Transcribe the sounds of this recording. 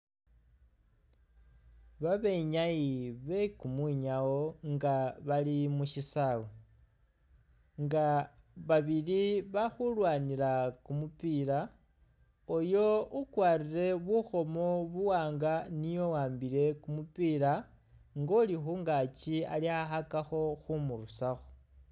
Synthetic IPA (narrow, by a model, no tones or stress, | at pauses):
βaβe̞ɲajiβe̞kumwiɲawo̞ŋɡaβalimuʃisawo | ŋɡa | βaβiliβaxulwaːniɾakumupiːɾa | ojo̞ukwaːriɾe̞βuxo̞mo̞βuwaːŋɡanijo̞waːmbiɾe̞kumupiːɾa | ŋɡolixuːŋɡaːt͡ʃialiaxakaxo̞xumuɾusaxo̥